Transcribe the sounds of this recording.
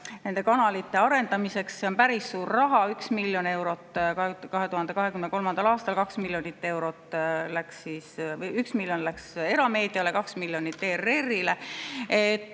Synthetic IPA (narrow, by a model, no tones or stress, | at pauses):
ne̞nd̪̥e̞kɑnɑlit̪ːe̞ɑɾe̞nd̪̥ɑmise̞ksse̞onpæɾisːuːrːɑɦɑyksmilʲjo̞ne̞wɾo̞t̪ːˑkkɑɦe̞t̪uhɑnd̪e̞kɑɦe̞kymneko̞lmɑnd̪̥ɑlɑːst̪ɑlkɑksmiljonit̪ːe̞wɾo̞t̪ːlæksiːsyksmiljonlækse̞ɾɑme̞ːd̪̥iɑlekɑksmilʲjo̞nit̪ːeːrːe̞rːileet̪ːˑ